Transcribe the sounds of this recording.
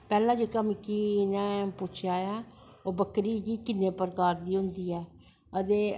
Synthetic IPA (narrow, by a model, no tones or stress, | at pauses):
pɛːlãːd͡ʒeːkəmkinɛ̃ːpʊt͡ʃʰjaːjaː | oːbəkɾiːɡiːkɪnːeːpəɾkaːɾd̪iːɦʊnd̪iːɛː | ət̪eː